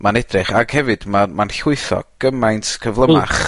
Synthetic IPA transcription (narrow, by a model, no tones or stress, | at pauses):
manɛdrɪχaɡ̥hɛvɨd̥mamanɬʊɨθɔ̰ɡ̥əmajntkʰəvlˠəma̰χ